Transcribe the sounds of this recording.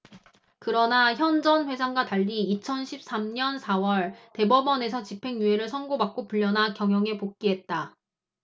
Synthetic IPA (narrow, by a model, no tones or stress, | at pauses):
kɯɾʌnaçjʌnd͡ʑʌnɸwe̞d͡ʑʰaŋɡwataʎːiːt͡ɕʰʌnɕʰip̚s͈amɲʌnsʰawʌɭte̞bʌbʌne̞sʰʌt͡ɕipʰe̞ŋjueɾɯɭsʰʌnɡobak̚k͈opuʎːʌnakjʌŋjʌŋe̞pok̚k͈iɦe̞t̚t͈a